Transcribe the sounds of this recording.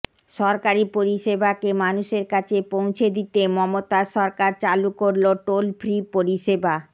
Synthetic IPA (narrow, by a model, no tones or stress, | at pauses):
ʃɔɾkaɾipoɾiʃebakemanuʃeɾkat͡ɕʰepõw̃t͡ɕʰed̪it̪emɔmot̪aʃɔɾkaɾt͡ɕalukoɾloʈolfʰɾipoɾiʃeba